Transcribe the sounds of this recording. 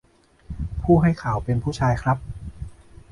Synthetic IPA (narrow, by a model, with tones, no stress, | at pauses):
pʰuː˥˩ɦa˥˩jkʰaː˩˦wpe˧npʰuː˥˩t͡ɕʰaː˧jkʰɾa˦˥p̚